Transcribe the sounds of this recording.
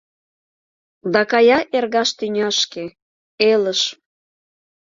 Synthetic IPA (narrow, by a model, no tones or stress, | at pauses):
d̪ɑkɑjɑʔerɣɑʃt̪ynʲɑʃke | eləʃ